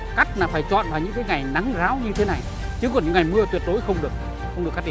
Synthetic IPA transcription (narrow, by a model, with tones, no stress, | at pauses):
ka˦˥jk̚naː˨˩faː˧˩jt͡ɕɔ̰˧˨nvaː˨˩ɲɨ̰˧˥ŋkaː˨˦jŋa˨˩jna˨˦ŋzaː˨˦wɲɨ˧t̪ʰe˨˦na˨˩j | t͡ɕɨ˨˦kɔ˨˧˩ɲɨ̰˧˥ŋa˨˩jmɨ˧ət̪wi˨˩ət̚ɗo˨˦jxə˧wŋ͡mɗɨ˨˩ək̚ | xwŋ͡mɗka˦˥˧i˧˨˩